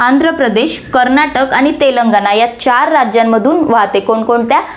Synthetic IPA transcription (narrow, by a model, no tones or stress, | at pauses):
and̪ʱɾəpɾəd̪eɕkəɾnaʈəkaɽ̃it̪eləŋɡanajat͡ɕaɾːad͡ʑjamːəd̪ʱuːnʋaɦt̪ekoɳkoɳt̪ja